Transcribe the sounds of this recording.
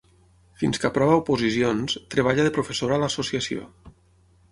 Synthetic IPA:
finskapɾɔβaupuzisionst̪ɾeβaʎaðepɾofesoɾaːlasosiasio̰

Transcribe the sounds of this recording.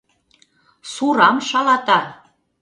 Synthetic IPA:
suɾɑmʃɑlɑt̪ɑ

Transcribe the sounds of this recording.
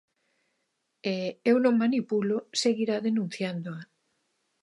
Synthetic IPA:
eewnõŋmanipuloseɣiɾaðenũn̟θjand̪oa

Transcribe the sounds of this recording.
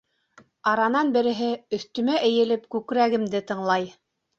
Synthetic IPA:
ɑɾɑnɑnbɘ̆ɾɘ̆ɦɘɵ̆θt̪ɵ̆mæʔɘ̆jɘ̆lɘpkʉkɾæɡɘ̆md̪ɘt̪ɤ̆ɴlˠɑj

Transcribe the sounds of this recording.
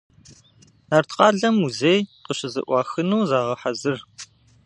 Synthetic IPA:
aːrtʰqɑːɮɐmuzeːjqəɕɪzɨ̰ʔʷɑːxɨnuːzaːʁɐħazɨr

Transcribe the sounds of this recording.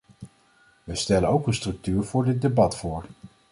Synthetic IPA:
ʋəstɛlənowkənstrɵk̚tyːɹv̥ʊːɹdɪt̚debɑtfʊːɹ

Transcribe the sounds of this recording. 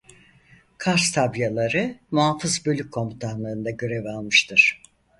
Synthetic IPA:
kʰaɾst̪ʰabjalˠaɾɯmuɦafɯzbø̞lʲyckʰːo̞mut̪ʰanlˠɯɯnd̪aɟø̞ɾevalˠmɯʃt̪ʰɯɾ̥

